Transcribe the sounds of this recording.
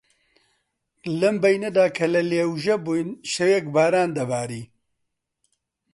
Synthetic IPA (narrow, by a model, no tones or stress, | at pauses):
lɨmbɐjnɐd̪aːkʰɐlɐleːwʒɛbujnʃɐjɛk̚baːɾaːnd̪ɐbaːɾiː